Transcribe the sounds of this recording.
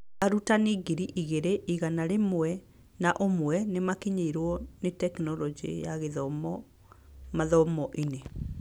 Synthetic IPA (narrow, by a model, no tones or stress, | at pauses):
aɾutaneɡiɾiʔiɣeɾeʔiɣanaɾemwɛ | naʔomwɛnemakiɲeiɾwɔnetɛknɔlɔd͡ʒḛjaɣeðɔmɔ | maðɔmɔʔine